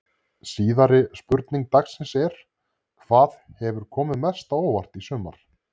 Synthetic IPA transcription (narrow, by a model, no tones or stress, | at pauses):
siːðaɾɪspʏɾt̪niŋk̚t̪aksɪnsɛɾ̥ | kʰv̥aːðhɛvʏɾ̥kʰɔːmɪðmɛst̪aoːwvar̥t̪isʏːma̰ɾ̥